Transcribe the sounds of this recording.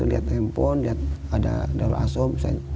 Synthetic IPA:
uliɦat̪ɛmpɔnliat̪̚ada̰dalʔasɔmsa

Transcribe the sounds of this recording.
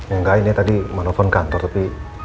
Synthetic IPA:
ɲuŋɡajnet̪adimanopʰɔnkant̪ɔt̪api

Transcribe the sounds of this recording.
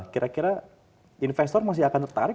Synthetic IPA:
kiɾʔakiɾa | infɛst̪ɔrmas̬ɪɦakant̪ərt̪aɾɪ

